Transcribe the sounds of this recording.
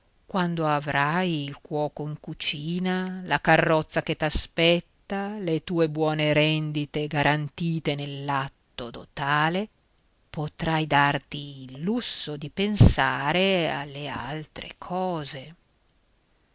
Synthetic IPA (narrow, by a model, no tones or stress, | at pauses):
kwand̪oavɾajilkwɔːkoiŋkut͡ʃiːnalakarːɔt̪sːaket̪aspɛt̪ːalet̪uːebwɔːneɾɛnd̪it̪eɡaɾʔant̪iːt̪enelːat̪ːod̪ot̪aːle | pot̪ɾajd̪art̪iːlːusːod̪ipensaːɾea̰lːea̰lt̪ɾḛkʰɔːze